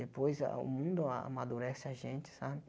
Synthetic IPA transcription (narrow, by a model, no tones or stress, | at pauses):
d̪epojza̰ʊ̰mũnd̪ʊa̰a̰mad̪uɾɛsɪaʒẽnt͡ʃɪ̥sabɪ